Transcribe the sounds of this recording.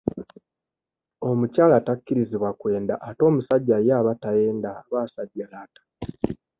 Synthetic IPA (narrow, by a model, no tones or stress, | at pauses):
o̞mucaːlatakːiɾiziβwakwe̞ːndaʔːto̞ːmusaɟːajaːβatajeːndaβaːsaɟːalaːtḁ